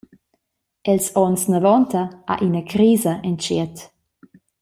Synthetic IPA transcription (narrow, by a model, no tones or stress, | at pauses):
ɛlsɔnsnəvɔntəʔa̰ʔinəkɾiːzəʔɛnt͡ʃiət